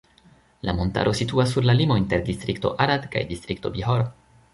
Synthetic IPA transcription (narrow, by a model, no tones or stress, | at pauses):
lamo̞nta̰ɾʔo̞situasːuɾlalimo̞inte̞ɾdistɾikto̞̰ʔaɾadka̰jdistɾik̚to̞biɦoɾ